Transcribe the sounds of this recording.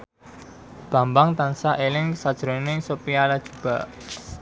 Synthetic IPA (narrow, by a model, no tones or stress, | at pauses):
b̥ä̤mbaŋt̪ansaʔelɪŋsad̥ʒ̥ɾonɪsopialad̥ʒ̥ṳb̥a̰ʔ